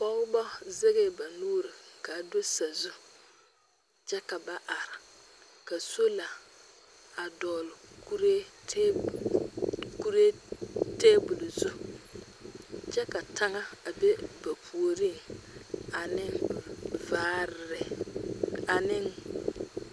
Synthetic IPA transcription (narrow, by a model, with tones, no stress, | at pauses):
kɔ˦ʊ˦bɔ˦ze˦ɣe˦ba˨nuː˦ɾɪ˨ka˨do˦sa˨zu˦ | t͡ʃɛ˦ka˨ba˨ʔa˨ɾɪ˨ | ka˨so˦la˨ | a˨dɔː˨lʊ˨ku˦ɾe˦ | ku˦ɾe˦teː˦bʊ˨lzu˦ | t͡ʃɛ˦ka˨ta˦ŋa˦a˨be˦ba˨pʰu˨o˨ɾi˦˨ | a˨nɪ˦nvaː˦ɾɪ˨ɾɪ˨ | a˨nɪ˦n